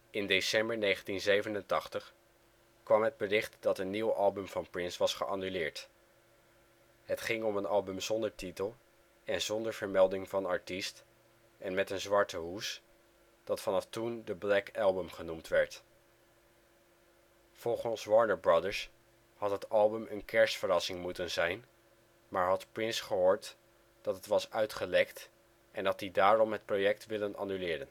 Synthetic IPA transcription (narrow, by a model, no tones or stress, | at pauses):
ɪndesɛmbəɹnejχəntinzejvənəntɑχtəχ | kʋɑmɦəd̚bərɪχtd̥ɑtənːiwɑlˠbəmvɑnpɹɪnsʋɑsχəʔɑnylɪːɹt | ɦətχɪŋɔmənɑlˠbəmzɔndəɹtitəlˠ | ɛnzɔndəɹv̥əɹmɛlˠdɪŋvɑnɑɹtist | ɛnmɛtənzʋɑɹtəɦus | d̥ɑtfɑnɑftundəblɛkɛlˠbəmχənumtʋɛɹt | fɔlˠχənsʋɑɹnəɹbɹɑdəɹs | hɑtɦətɑlˠbəmʔənkɛɹsfərɑsɪŋmutənzɛjn | maːɹɦɑtprɪnsχəɦʊːɹt | d̥ɑtɦətʋɑsœɥtχəlɛkt | ʔɛndɑt̚didaːɾɔmɦət̚projɛk̚tʋɪlənɑ̰nylɪːɾən